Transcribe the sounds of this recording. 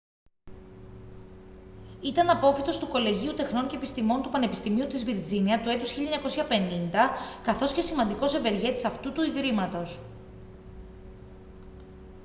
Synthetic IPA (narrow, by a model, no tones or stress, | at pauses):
it̪ɐnɐpo̞fit̪o̞st̪uko̞le̞ʝiut̪e̞xno̞ɲce̞epist̪imo̞nt̪upɐne̞pi̥st̪imiut̪izviɾd͡ziniɐt̪ue̞t̪usçiʎɐɲɐko̞siɐpe̞nind̪ɐkɐθo̞sce̞simɐnd̪iko̞se̞ve̞ɾʝe̞t̪i̥sɐft̪ut̪uiðɾimɐt̪o̞s